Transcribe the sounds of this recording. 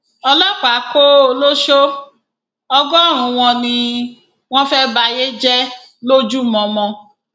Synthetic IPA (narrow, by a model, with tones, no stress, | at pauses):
ɔ˧lɔ˦˨k͡pa˨˦ko˦o˧lo˦ʃo˦ | ɔ˧ɡɔ˦˨ɾ̃ũ˨˧˨w̃ɔ̃˧nĩ˧ | w̃ɔ̃˦fɛ˦ba˧je˦d͡ʒɛ˦ | lo˦d͡ʒu˦mɔ̃˧mɔ̃˧